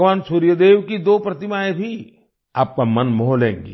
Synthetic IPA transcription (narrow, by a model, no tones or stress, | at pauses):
ʋaːnsuːɾjəd̪eːʋkid̪oːpɾɐt̪ɪmaːẽbʱi | aːp̚kamɐnmɔɦɔlɦḛ̃ːŋɡḛː